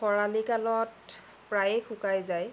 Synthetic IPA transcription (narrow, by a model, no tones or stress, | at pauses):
xɔɹalikalɔt | pɹajexʰʊkajzaj